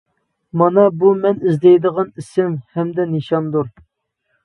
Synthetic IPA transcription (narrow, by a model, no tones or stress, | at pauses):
mɑnɑbumɛnizd̪ɛjd̪əʁɑnisɪmhɛmd̪ɛneʃɑmd̪uɾ